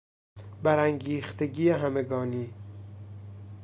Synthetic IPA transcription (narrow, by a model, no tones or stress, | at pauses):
bæɾæŋɡiːxt̪ʰeɟiːeɦæme̞ɡɒːniː